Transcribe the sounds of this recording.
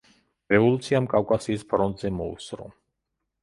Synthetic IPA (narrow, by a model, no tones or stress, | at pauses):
ɾɛvɔlˠut̪sʰiamkʼawkʼasiːspʰɾɔnt̪ʼzɛmɔṵsɾɔ̰